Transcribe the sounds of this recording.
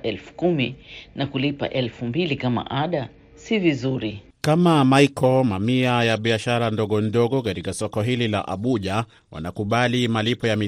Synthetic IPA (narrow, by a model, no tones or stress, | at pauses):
ɛlfu̥kuminakulipa̰ʔɛlfumbilikama̰ʔaɗa | sivizuɾi | kamamaikɔmamiajaɓiaʃaɾandɔɠɔndɔɠɔkatikasɔkɔɦilila̰ʔa̰ɓuʄa | wa̰nakuɓalimalipɔjami